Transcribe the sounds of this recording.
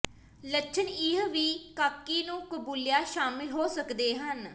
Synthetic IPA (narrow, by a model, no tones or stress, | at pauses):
lətːʃʰənɪɦʋiːkaːkːiːnũːkəbuːljaːʃaːmɪlɦoːsəkd̪eːɦən